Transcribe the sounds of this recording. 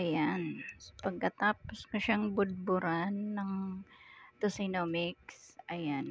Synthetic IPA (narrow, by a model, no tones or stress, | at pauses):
ʔɐjanspɐɡ̚kɐt̪aːposkʊʃaŋbʊd̪̚bʊɾanːɐŋ | t̪ʊsɪnomɪk̚sʔɐjan